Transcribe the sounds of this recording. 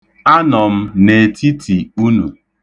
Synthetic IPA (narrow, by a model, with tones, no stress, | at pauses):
a˦nɔ˨m̩˦ne˨tʰi˦tʰi˨u˦nṵ˨